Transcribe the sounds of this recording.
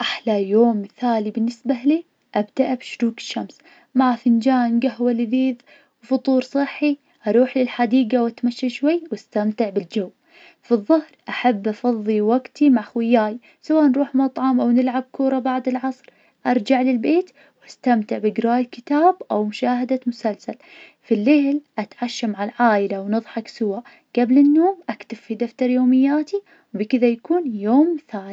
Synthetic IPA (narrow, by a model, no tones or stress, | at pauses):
ʔaħlajoːmːɪθaːlibɪnːɪsbaliː | ʔabd̪aʔabʃʊɾuːkɪ̥ʃːams | maʕafɪnd͡ʒaːnɡaɦwalɪðiːð | wfʊt̪ˤuːɾsˤɨħːi | ʔɑɾˤuːħlɪlħad̪iːɡawat̪maʃːaʃwajːwʔast̪amt̪ɪʕbɪld͡ʒawː | fiðˤːɑhɾʔaħabːʔɑfɑðˤːiwaɡt̪imaʕxwɪjːaːj | sawaːʔnɾˤuːħmɑt̪ˤʕɑmʔawnɪlʕab̚kʰuːɾˤɑbaʕd̪ɪlʕɑsˤɾ | ʔɑɾˤd͡ʒaʕlɪlbeːt̪ | wʔast̪amt̪ɪʕbɪɡɾɑːjkɪt̪aːbʔawmʊʃaːɦad̪amʊsalsalfilːɪhlʔat̪ʕaʃːamaʕalʕaːʔɪlawnɨðˤħɑksʊwa | ɡ̥ablɪnːoːmʔakt̪abfid̪aft̪ɑɾˤjoːmɪjːaːt̪i | wbikɪðajakuːnjoːmθaːni